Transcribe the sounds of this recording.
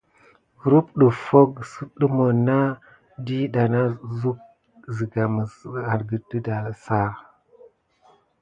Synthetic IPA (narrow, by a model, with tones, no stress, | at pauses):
ɡɾu˦pɗə˨fo˦ɡsu˦ɗə˦mo˨na˦ | di˦ɗa˨na˦zu˦k̚ | zi˨ɡa˨mə˨a˨ɾɡə˨də˦da˨sa˦